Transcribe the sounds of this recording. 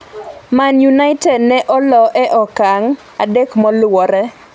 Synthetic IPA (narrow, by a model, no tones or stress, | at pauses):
manjunaɪtɛdnɛʔɔlɔʔɛʔɔkaŋ | adekmɔlwɔɾɛ